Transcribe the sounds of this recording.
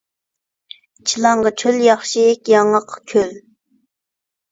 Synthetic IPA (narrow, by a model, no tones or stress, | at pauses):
t͡ʃʰilˠɑŋʁɑt͡ʃʰøljɑχʃikʲjɑŋɑqʰːkʲʰøl